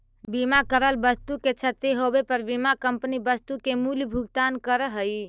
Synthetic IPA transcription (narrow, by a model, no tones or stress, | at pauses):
bimakəɾəlbəst̪uket͡ʃʰət̪eɦobepəɾbimakəmpnibəst̪ukemuljbʱuɡt̪ankəɾəɦəj